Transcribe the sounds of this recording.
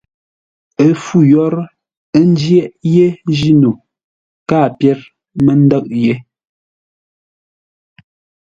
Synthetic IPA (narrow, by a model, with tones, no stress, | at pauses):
ə˨fu˦˨jɔ˦ɾ | ə˦n̩˦d͡ʒjɛ˦ʔje˦d͡ʒi˦nu˨ | kaː˦˨pjɛ˦ɾ | mə˦n̩˦də˦˨ʔ̚je˦